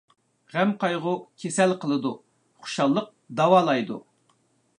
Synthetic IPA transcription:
ʁɛmqʰɑjʁʊkʲʰesɛlqʰəlˠɨd̪u | χu̥ʃɑlˠːəq̚d̪ɑwɑːlˠɑjd̪u

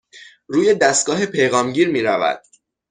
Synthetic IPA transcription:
ɾuːje̞d̪æst̪̚ɡɒːɦe̞pʰe̞jɣɒːmɟiːɾmiːɾævæ̰d̪̥̚

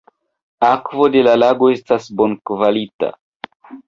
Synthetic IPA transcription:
akvo̞de̞lalaɡo̞e̞stasbo̞nkvalita̰

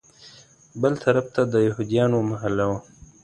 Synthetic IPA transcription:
bəlt̪ʰɐɾaft̪ad̪əjaɦud̪ijɑːnomaɦalawa

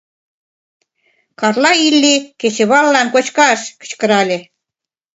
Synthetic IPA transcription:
kɑrlɑilːiket͡ɕĕβɑlːɑnkot͡ɕkɑʃkə̥̆t͡ɕkɤ̆ɾɑlʲe

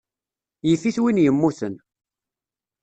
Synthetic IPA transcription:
jəfːiθwinjəmːuθən

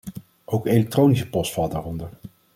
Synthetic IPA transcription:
ʔowkejlɛk̚trownisəpɔstfɑlˠdaːrɔndəɹ

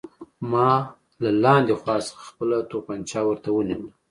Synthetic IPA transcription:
mɑ | lalɑnd̪exwɑsaxpəlat̪opant͡ʃɑwəɾt̪awəniwl

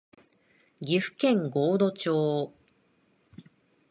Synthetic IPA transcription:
ɡʲiɸɯ̟̥kẽ̞ŋɡoːd̪o̞t͡ɕoː

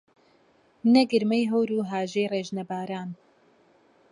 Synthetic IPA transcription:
nɛɡɨɾmɛjɦowɾuːɦaːʒejreːʒnɐbaːɾaːn

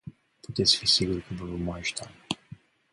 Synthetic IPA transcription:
put̪et̪sʲfisiɡuɾkəvəvəmajʃt̪a

